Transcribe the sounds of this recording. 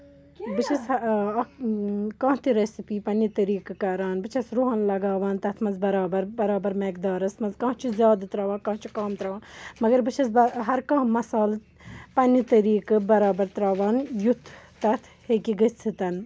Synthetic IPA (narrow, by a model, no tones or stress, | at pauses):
bɨt͡ʃʰɐsɐ | kãːt̪iɾesipiːpɐnit̪ɐɾiːkɨkɐɾaːnbɨt͡ʃʰɐsɾuɦaːnlɐɡaːʋaːnt̪ɐt̪ʰmɐzbɐɾaːbɐɾbɐɾaːbɐɾmeːkd̪aːɾɐsmɐzkãːt͡ʃʰuzʲjaːd̪ɨt̪ɾaːʋãːnkãːɦt͡ʃʰukaːmt̪ɾaːʋaːnmɐɡɐɾbɨt͡ʃʰɐsbɐɦɐɾkãːɦmɐsaːl | pɐnit̪ɐɾiːkɨbɐɾaːbɐɾt̪ɾaːʋaːnjut̪ʰt̪ɐt̪ʰhekiɡɐt͡sʰɨt̪ɐn